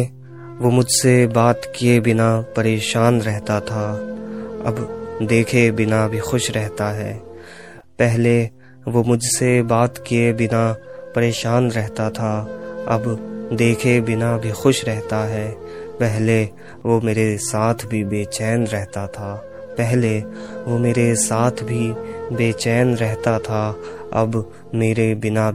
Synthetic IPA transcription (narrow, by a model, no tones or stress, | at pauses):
ʋoːmʊd͡ʒʱsebaːt̪kiebɪnapɐɾeːʃaːnɾɛɦt̪at̪ʰaː | ɐ̰bd̪eːkʰebɪnabʱixʊʃɾɛɦt̪aɦɛː | pɛɦle | ʋomʊd͡ʒʱsebaːt̪kiebɪnapɐɾeːʃaːnɾɛɦt̪at̪ʰaɐ̰bd̪eːkʰebɪnabʱixʊʃɾɛɦt̪aɦɛː | pɛɦle | ʋoːmeːɾesaːt̪ʰbʱibeːt͡ʃɛːnɾɛɦt̪at̪ʰaː | pɛɦleʋoːmeːɾesaːt̪ʰbʱibeːt͡ʃɛːnɾɛɦt̪at̪ʰa | ɐ̰b | meːɾebɪna